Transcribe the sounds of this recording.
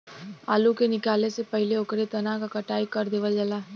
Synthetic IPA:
a̰ːlukenɪkaːlesepɐɦɪleokɾet̪ɐnakakɐʈaːikɐɾd̪eːʋəd͡ʒɐlaː

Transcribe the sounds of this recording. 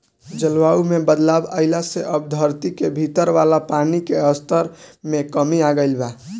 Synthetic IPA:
d͡ʒəlʋaumebəd̪labə̰ɪlaseʔəb̚d̪ʱəɾt̪ikebʱit̪əɾʋalapanikeəst̪əɾmekəmiaɡəɪlba

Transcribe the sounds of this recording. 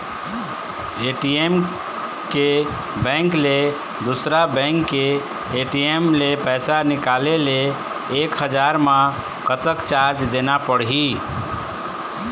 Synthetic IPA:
eʈiem | ke | bɛ̃ŋkle | d̪usɾabɛ̃ŋkːeː | ʈiemlepɛɪsanɪkaleleː | kɦəd͡ʒaɾmã | kət̪əkt͡ʃaɾd͡ʒd̪enapəɽɦi

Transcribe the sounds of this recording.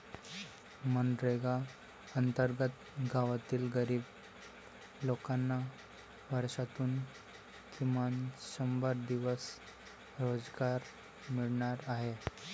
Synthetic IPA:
mənɾeɡa | ənt̪əɾɡət̪ | ɡʱaʋat̪iːlɡəɾiːb | lokanːa | ʋʱəɾsat̪uːn | kimanɕəmbəɾd̪iʋəs | ɾod͡zɡaɾ | miɭɳaɾaɦe

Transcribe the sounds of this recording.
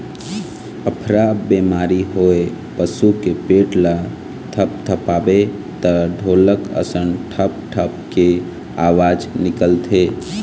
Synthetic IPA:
əpʰɾabemaːɾiɦoe | pəsukepeːʈla | t̪ʰəp̚t̪ʰəpaːbe | t̪əɖʱoːləkə̰sənʈʰəp̚ʈʰəpke | aːʋaːd͡ʒnɪkəlt̪ʰeː

